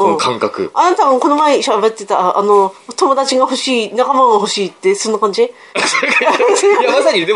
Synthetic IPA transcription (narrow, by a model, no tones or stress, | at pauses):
ɯ̃kʰãŋkakɯ̟̰anat̪ako̞no̞maeiɕabe̞t̪ːe̞t̪aʔːno̞t̪o̞mo̞d̪at͡ɕiɡaho̞ɕiːnakamaŋɡaɦo̞ɕiːt̪ːe̞sõnːokãɲ̟d͡ʑi | soeksoɾeajamasaɲʲid̪e